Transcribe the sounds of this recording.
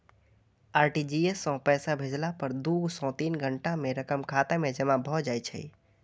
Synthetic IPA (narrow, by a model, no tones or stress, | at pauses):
aɾʈid͡ʒiesːɔ̃pɛsabʱed͡ʒlapəɾd̪usɔ̃t̪inɡʱəɳʈameɾəkəmkʰat̪emed͡ʒəmabʱɔd͡ʒajt͡ʃʰɛ̰j